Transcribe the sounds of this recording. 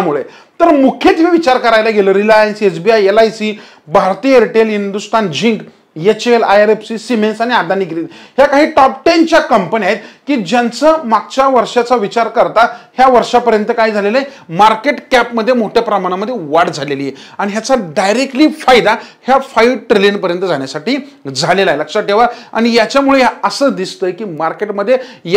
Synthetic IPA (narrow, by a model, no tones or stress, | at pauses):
muɭe | t̪əɾmukʰjet̪ɦeʋit͡ɕaɾkəɾajlaɡeləɾilajənset͡sbiajelajsi | bʱaɾt̪ijəɾiʈelɦind̪ust̪ʰand͡ʑiŋk | jet͡ɕelajaɾefsiːsimensaɽ̃iad̪aniːɡeliːlhjakaɦiːʈɔp̚ʈent͡ɕjakəmpəniaɦet̪kiːd͡ʑant͡səmaɡ̚t͡ɕjaʋəɾʂat͡saʋit͡ɕaɾkəɾt̪ahjaʋəɾʂapəɾjənt̪əkaɦiːd͡zʱalelaemaɾkeʈkæpməd̪ʱːjemoʈʰjapɾəmaɽ̃aməd̪ʱːjeʋaɽd͡zʱalelijeaɽ̃iɦjat͡saɖajɾekʈliːfajd̪ahjafajlʈɾilinpəɾjənt̪əd͡zʱaɳ̃jasaʈiːd͡zʱalelaeləkʂaʈeʋaa̰ɽ̃ijat͡ɕjamuɭejaəsəːd̪ist̪əjkiːmaɾkeʈməd̪ʱːjej